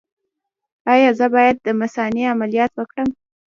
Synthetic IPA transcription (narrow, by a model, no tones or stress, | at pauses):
ɑjɑzəbɑjad̪ːəmasɑniamalijɑt̪wəkɽəm